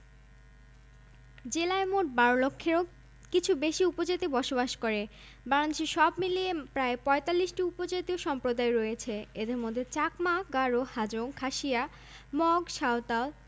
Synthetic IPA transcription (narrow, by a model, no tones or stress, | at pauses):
d͡ʑelaemoʈ̚baɾolokʰːeɾo | kit͡ɕʰubeʃiupod͡ʑat̪ibɔʃobaʃkoɾe | baŋad̪eʃiʃɔbmiliepɾaepɔet̪alːiʃʈiupod͡ʑat̪ioʃɔmpɾod̪aeɾɔjet͡ɕʰeed̪eɾmod̪ʱːet͡ɕakmaɡaɾohad͡ʑoŋkʰaʃia | mɔɡʃaot̪al